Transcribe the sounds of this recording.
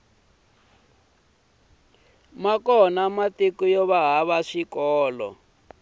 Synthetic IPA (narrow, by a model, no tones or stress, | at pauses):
makɔnamatikujɔβaɦaβaʂikɔːlɔ̰